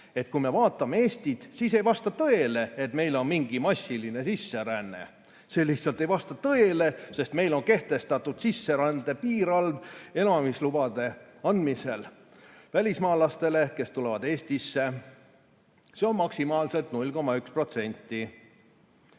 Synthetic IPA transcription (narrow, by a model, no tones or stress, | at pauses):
e̞t̪̚kuime̞vɑːt̪ːˑɑmeeːst̪it̪siːse̞jvɑst̪ɑt̪ɤ̞e̞le̞et̪me̞jlo̞nmiŋɡ̥imɑsʲːiline̞sisːe̞ɾænːḛ | selːiht̪sɑlt̪ːˑejvɑst̪ɑt̪ɤele̞se̞st̪me̞jlo̞nke̞ht̪e̞st̪ɑt̪ːud̪̥sisːe̞ɾænd̪e̞piːɾɑlve̞nɑmislubɑd̪̥e̞ɑnd̪mise̞l | vælʲismɑːlɑst̪e̞le̞ke̞st̪ulevɑd̪̥e̞ːst̪isːe̞ | se̞o̞nmɑksimɑːlse̞lt̪nulʲko̞mːɑykspro̞t̪se̞nʲt̪ˑːi